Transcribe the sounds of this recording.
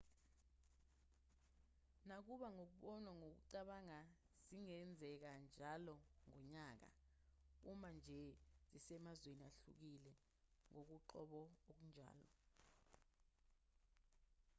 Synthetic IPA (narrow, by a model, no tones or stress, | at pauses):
nak̬uɓaŋok̬uɓɔnwaŋok̬ṵǀaɓaŋa | ziŋɛnd͡zʱɛk̬and͡ʒʱalɔŋɔɲaːk̬a̰ | umand͡ʒʱɛz̥isɛmazweniaɬṵk̬ilɛ | ŋok̬uǃɔɓɔok̬und͡ʒʱa̰ːlɔ̰